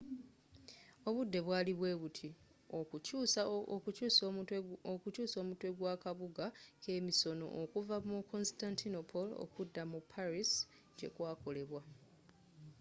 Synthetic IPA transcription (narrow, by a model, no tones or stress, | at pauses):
o̞βudːe̞βwaːliβwe̞ːβutʰi | okucuːscuːsokucuːso̞ːmutwe̞ɡwakaβuɡake̞ːmiso̞no̞̰ʔːkuvamukʰo̞nstantinopʰolo̰kudːamupʰaɾis | ɟe̞̰kwaːko̞le̞βwa